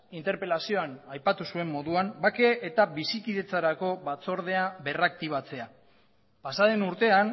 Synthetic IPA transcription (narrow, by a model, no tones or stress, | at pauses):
int̪eɾpe̞lasio̞anajpat̪usue̞mːo̞ðuambake̞ʔːt̪abisikiðe̞t͡saɾako̞βat͡so̞ɾð̞e̞aβe̞rak̚t̪iβ̞at͡se̞a | pasaðe̞nuɾt̪e̞an